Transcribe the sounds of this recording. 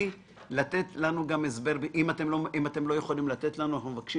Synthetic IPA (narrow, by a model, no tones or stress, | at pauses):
lat̪e̞t̪lanuɡame̞sbe̞ʁbʔimat̪e̞mloimat̪e̞mlo̞je̞χo̞limlat̪e̞t̪lanuanaχnumevakʃi